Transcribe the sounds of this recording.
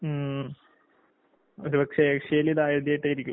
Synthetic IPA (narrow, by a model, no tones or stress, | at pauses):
o̰ɾupɐkʂekʂejiliðaːjɐðjajiʈːejiɾikʲːum